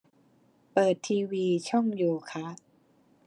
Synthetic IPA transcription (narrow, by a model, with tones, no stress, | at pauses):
pɤː˨˩t̪ʰːiː˧wiː˧t͡ɕʰɔ˥˩ŋjuː˨˩kʰa˦˥